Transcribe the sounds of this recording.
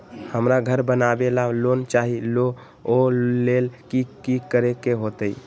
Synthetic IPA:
həmɾaɡʱəɾbənabelalont͡ʃaɦilo | olelkikikəɾekeɦot̪əi

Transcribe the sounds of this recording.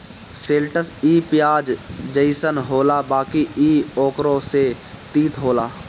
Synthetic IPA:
seːlʈəsiːpjaːd͡ʒd͡ʒəɪsənɦoːlabaːkiiːɔːkɾõse | t̪iːt̪ɦoːlaː

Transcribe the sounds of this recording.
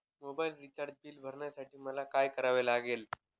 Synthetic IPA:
mobailɾit͡ɕaɾd̚biːlbʱəɾɳjasaʈʰiːməlakajkəɾaʋelaɡel

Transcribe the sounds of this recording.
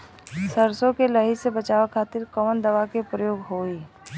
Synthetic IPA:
səɾsõkelɐɦisebɐt͡ʃaːʋakʰaːt̪ɪɾkɔːnd̪ɐʋakepɾəjoːɡɦoːiː

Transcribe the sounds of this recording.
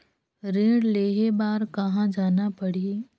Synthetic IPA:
ɾẽːɽleːɦebaːɾkɐɦãd͡ʒaːnapəɽi

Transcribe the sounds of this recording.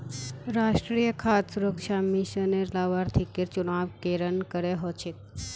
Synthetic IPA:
ɾaʂʈɾijəkʰat̪suɾəkʂamiʃəneɾlaʋaɾt̪ʰikeɾt͡ʃunaʋkeɾənkəɾeɦɔt͡ʃʰik̚

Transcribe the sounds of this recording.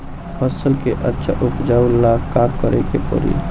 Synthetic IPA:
pʰəsəlkeʔətːʃʰa̰ʔupd͡ʒaulːakabkəɾɛkepɔ̰ɾḭ

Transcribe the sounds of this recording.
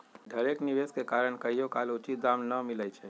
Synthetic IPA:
ɖ̪ʱəɾeːkniʋeːskekaːɾəɳkəijokaːlʊt͡ʃit̪̚d̪aːmnəmɪləjt͡ʃʰɛː

